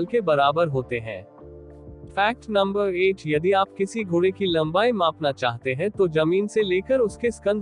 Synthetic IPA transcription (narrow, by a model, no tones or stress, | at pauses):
lkebɐɾaːbəɾɦoːt̪eɦɛ̰̃ː | fɛːk̚ʈnɐ̃mbəɾeːʈjɐd̪iaːpkɪsiɡʱʊːɽekilɐ̃mbaːimãːpnat͡ʃaːɦt̪eɦɛ̃t̪od͡ʒɐmiːnseleːkəɾʊskeskə̃nd̪